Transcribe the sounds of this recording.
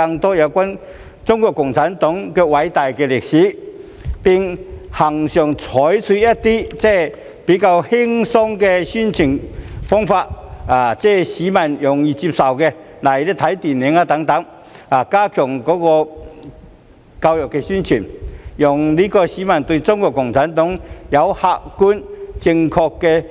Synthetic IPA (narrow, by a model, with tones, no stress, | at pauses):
a˧ŋt̪ɔː˦˥ja˨˧wkʷa˥n | t͡sʊ˥ŋkʷɔ˧kːʊ˨˩ŋt͡sʰa˨˥nt̪ɔ˨˦˥ŋkɛ˧wa˨˧˥jt̪a˨˩jkɛ˧le˨k̚ɕiː˨˦ | pi˧ŋha˨˩ŋɕɔ˨˩ŋt͡sʰɔ˨˦jt͡sʰwi˧ja˥t̚t̪i˥t͡sɛ˥˩ | pi˨˥ka˧whi˥ŋsɔ˥ŋkɛ˧ɕy˥˩nt͡ɕʰi˨˩ŋfɔ˥ŋfa˧t̚aː˨˩t͡sɛ˥˧˩ɕi˨˦ma˨˩njɔ˨˩ŋi˧t͡ɕi˧p̚sa˨˩wke˧ | la˨˩jɾɛ˧˩t̪ʰa˨˦jt̪i˨˩ni˨˦ŋa˧t̪a˨˧˥ŋt̪a˨˧˦ŋ | a˨˩ka˦kʰjɔ˨˩ŋkɔ˨˦˥kɔ˧ | ka˧wjɔ˨˩ke˧ɕy˥nt͡ɕʰi˨˩njɔ˨˩ŋli˦kɔ˧ɕi˨˦ma˨˩nt̪wi˧t͡sɔ˥ŋkɔ˧˩kʊ˨˩ŋt̪ʰa˨˦nt̪ɔ˨˦ŋja˨˦wha˧ʔku˦nt͡ɕi˧ŋkʰɔ˧kːe˧